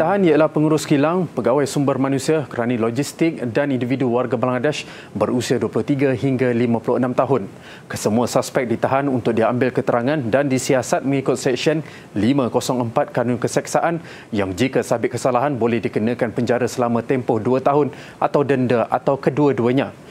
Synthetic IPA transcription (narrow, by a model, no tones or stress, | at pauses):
t̪aɦanijalahpəŋuɾʊskilaŋpəɡawajsumbərmãnũsiakəɾanalod͡ʒist̪ɪk̚danindividuwarɡabalaŋadaʃ | bərusiaduəpulʊht̪iɡaɦiŋɡalimãpulʊʔənãmt̪aɦʊn | kəsəmuasaspɛk̚dit̪aɦanunt̪ʊk̚diambɪlkət̪əɾaŋãndandisiasat̪̚mə̃ŋikʊt̪̚sɛk̚ʃən | limãkosɔŋəmpat̪̚kanʊnkəsak̚saʔan | jaŋd͡ʒikasabɪtʔ̚kəsalaɦanbolɛhdikənə̃kanpəɲd͡ʒaɾasəlamãt̪ɛmpɔhduat̪aɦʊn | ʔat̪awdəndaʔa̰t̪awkəduaduaɲã